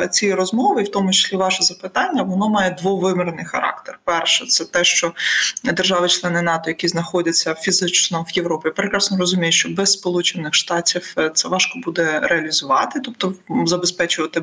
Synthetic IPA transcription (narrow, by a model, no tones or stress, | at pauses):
t͡sʲiɾɔzmɔʋɪiwt̪ɔmʊt͡ʃɪ̥sʲlʲiʋɑʃɛzɐpɪt̪ɑnʲːɐʋɔnɔmɑjɛd̪ʋɔʋɪmɪɾnɪjxɐ̰ɾɑ̰kt̪erpɛrʃɛt̪sɛt̪ɛʃt͡ʃɔd̪erʒɑʋɪt͡ʃlˠɛnɪnɑt̪ɔjɐkʲiznɐxɔdʲɐt͡sʲːɐfʲizɪt͡ʃnɔʋjeʋɾɔpʲijapɾekɾɑsnɔɾɔzʊmʲijʊʃt͡ʃɔbɛsspɔlˠut͡ʃɪnɪxʃt̪ɑtʲiwt̪sɛʋɑʃkɔbud̪ɛɾeɐlʲizʊʋɑt̪ɪt̪ɔp̚t̪ɔzɐbespɛt͡ʃʊʋɐt̪ɪ